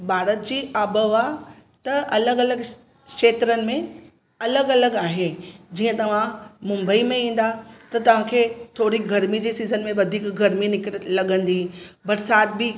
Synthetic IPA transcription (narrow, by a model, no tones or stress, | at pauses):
bʱaːɾət̪̚d͡ʑiːaːbəʋat̪ɐɐləɡɐləɡ | kʃeːt̪ɾənɪ̆mẽ | ɐləɡɐləɡaːɦed͡ʑiːə̃t̪ɐʋ̤ãmʊ̃mbəimẽĩːn̆d̪at̪ɐt̪ɐʋ̤ãkʰeːt̪ʰoːɾiɡʱɐɾmid͡ʑiːsiːzənmẽʋɐd̪ʱiːkɡʱɐɾminɪkɽlɐɠə̃nd̪ibɐɾsaːt̪̚bɪ